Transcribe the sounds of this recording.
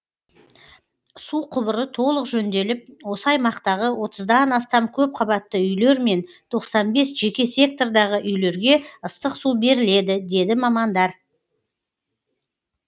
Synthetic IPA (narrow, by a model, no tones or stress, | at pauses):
suqʰʊβəɾət̪ʰo̞lˠəqʒɵnd̪e̞lɪp̚wo̞səɑjmɑqt̪ɑʁəwo̞t̪əzd̪ɑnɑst̪ɑmkʲʰɵp̚qʰɑbɑt̪ːəʏjle̞ɾme̞n | t̪ʰo̞qsɑnbe̞sʒe̞kʲe̞sʲe̞k̚t̪o̞rd̪ɑʁəʔʏjle̞ɾɡʲe̞əst̪əqsube̞ɾɪle̞d̪ɪd̪e̞d̪ɪmɑmɑnd̪ɑɾ